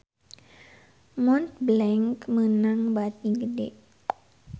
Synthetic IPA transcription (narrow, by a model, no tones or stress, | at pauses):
mɔnt̪̚blɛŋkmɯnaŋbat̪̚ɲiɡədeʔ